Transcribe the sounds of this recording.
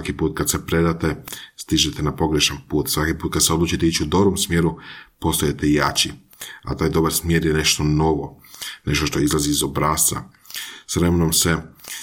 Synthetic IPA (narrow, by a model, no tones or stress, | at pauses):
akipuːt̪̚kad̪sepɾe̞d̪at̪est̪iʒet̪enapo̞ɡɾeʃanpuːt̪sʋakipuːt̪kad̪seod̪lˠuːt͡ʃit̪eit͡ʃud̪o̞bɾomsmjeːɾupost̪ojet̪ejat͡ɕi | a̰t̪aːjd̪o̞baɾsmjeːɾjene̞ʃt̪o̞no̞ʋo̞ne̞ʃt̪o̞ʃt̪oizlˠaziːzobɾaːst̪va̰ | sʋɾemenomse